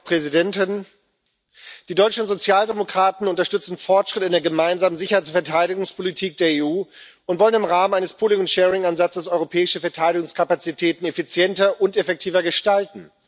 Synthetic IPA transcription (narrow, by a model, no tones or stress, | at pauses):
pʁ̥ɛzidɛntɪn | d̥iːdɔʏt͡ʃn̩tzot͡sjaːldemokʁ̥aːtn̩ʊntɐʃtʏt͡sn̩fɔɐtʃʁ̥ɪtɪndeːɐɡəmaɪnzaːmənzɪçɐhaɪt͡sfɛɐtʰaɪɾɪɡʊŋspʰolitʰiːk̚d̥eːɐeːuː | ʊntvɔlənɪmʁaːmənaɪnəspʰoːlɪŋʊnʃɛːʁɪŋanzat͡səsɔʏʁopʰɛːɪʃəfɛɐtʰaɪɾɪɡʊŋskʰapat͡sitʰɛːtn̩efit͡sjɛntɐʔʊntefɛk̚tʰiːvɐɡəʃtaltn̩